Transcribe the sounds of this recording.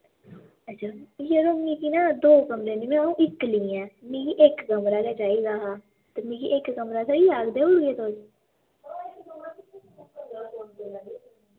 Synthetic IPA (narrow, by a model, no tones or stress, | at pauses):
ət͡ʃʰanjeːɾoːmĩːkiːnaːd̪oːkəmɾeːniːmɛ̃ũːʔɪkliːɛ̃ːmĩːkiʔekɡəmɾaːkɛːd͡ʒaːiːɡaːɦaː | t̪emĩːkiʔekɡəmɾaːsaiːaːɡd̪eːʊɽɡeːt̪od͡ʒ